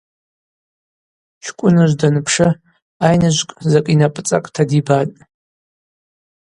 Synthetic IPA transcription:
t͡ʃʷʰkʷʼʊnɨʒʷdanɨpʰʂɨ | ajnɨʒʷkʼzakʼinapʼɨt͡sʼa̰kʼtʰadibatʼ

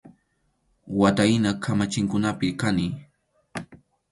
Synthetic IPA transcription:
wat̪ajnakʰamat͡ʃɪŋkʊnapɪkanɪ

